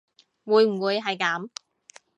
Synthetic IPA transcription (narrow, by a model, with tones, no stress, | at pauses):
wuː˨˧jm̩˨˩wuː˨˧jɦɐ˨jkaː˨˥m